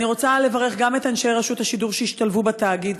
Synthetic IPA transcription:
niʁo̞t͡sale̞vaʁe̞χɡame̞tanʃejʁaʃuthaʃiduʁʃeiʃtalvubetaːɡid

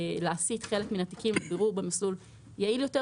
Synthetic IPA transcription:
laːsit̪χe̞lekminati̥kimbeʁuʁbemislul | jailjo̞te

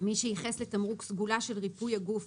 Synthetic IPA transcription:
miʃejiχesle̞t̪amʁuksɡulaʃe̞lʁipujaɡuf

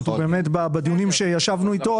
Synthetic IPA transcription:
t̪ube̞ːmetbabed̪iunimʃe̞jaʃavnuit̪o̞

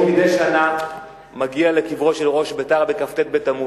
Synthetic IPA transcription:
mideʃana | maɡiale̞kivʁo̞ʃelʁo̞ʃbetaʁbekaft̪et̪̚bet̪amu

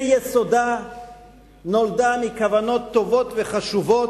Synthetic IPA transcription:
jɛsod̪a | no̞ld̪amikavano̞t̪ːo̞vo̞t̪veχaʃuvo̞t

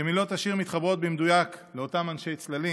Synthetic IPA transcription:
emilo̞t̪aʃiʁmit̪χabʁo̞t̪̚bemd̪ujakleo̞tamanʃe̞jt͡slali

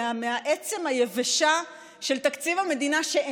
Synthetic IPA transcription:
ameaʔet͡se̞mhajeveʃa | ʃe̞lt̪akt͡sivame̞d̪inaʃe

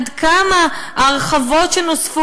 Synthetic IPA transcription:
d̪kamaaʁeχavo̞t̪ʃenosfu

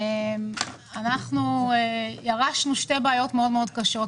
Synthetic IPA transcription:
em | anaχnuejaʁaʃnuʃtebeaːjo̞tmeo̞dmeo̞dkaʃo̞t

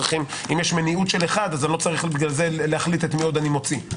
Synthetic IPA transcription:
iχim | imjeʃmeniutʃe̞leχad̪azalo̞t͡saʁiχbiɡlalze̞leaχlit̪et̪mio̞d̪animo̞t͡si

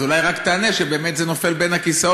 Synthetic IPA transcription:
ulajʁakt̪aːneʃebe̞ːme̞t̪zeno̞fe̞lbenakisao

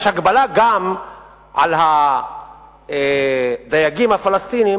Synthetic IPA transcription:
ʃhaɡbalaɡam | ʕalɦa | ed̪ajaɡimhafalast̪ini

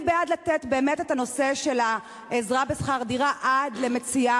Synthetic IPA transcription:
bead̪latetbe̞ːmetetano̞se̞ʃe̞la | ezʁabesχaʁdiʁaʔadleme̞t͡sia

